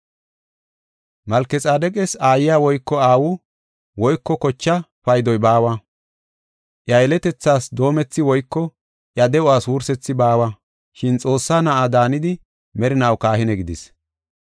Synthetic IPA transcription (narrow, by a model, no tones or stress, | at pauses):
mɐlkɛt͡sʼaːd̪ɛkʼɛsaːjɪjaːwɔjkːɔaːwʊ | wɔjkːɔkɔt͡ʃːɐpɐjd̪ɔjbaːwɐ | ʔjɐjɛlɛt̪ɛt͡sːaːsd̪o̞ːmɛt͡sːɪwɔjkːɔ | ʔjɐd̪ɛʊaːswuːɾsɛt͡sːɪbaːwɐ | ʃɪnt͡sʼo̞ːsːaːnɐʔad̪aːnɪd̪ɪ | mɛɾɪnɐwkaːhɪnɛɡɪd̪ɪs